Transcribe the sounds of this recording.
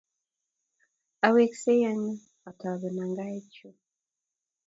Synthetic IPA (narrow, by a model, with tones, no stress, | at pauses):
a˨we˨kse˦ja˨ɲi˦ | a˨ta˨βe˨na˨ŋɡa˦e˦co˨